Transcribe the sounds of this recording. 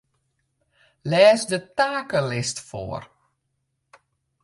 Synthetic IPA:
lɛːsdətaːkəlɪstfo̰ːər

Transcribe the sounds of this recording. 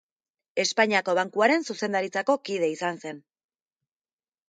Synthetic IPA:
e̞spaɲiako̞βaŋkuaɾe̞nsuse̞nd̪aɾit͡sako̞kið̞e̞isanse̞n

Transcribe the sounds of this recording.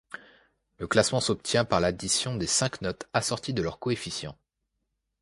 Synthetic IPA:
ləklasmɑ̃sɔpt̪jɛ̃paʁlad̪isjɔ̃d̪esɛ̃knɔt̪asɔʁt̪id̪əlœʁkɔefisjɑ̰̃

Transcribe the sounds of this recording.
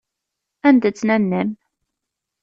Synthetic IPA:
ænd̪ət͡sːnænːəm

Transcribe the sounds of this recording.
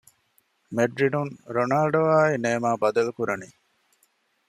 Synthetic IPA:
meɖɾinuŋɾonaːlɖoʋaːineːmaːbɐd̪ɐlukuɾɐni

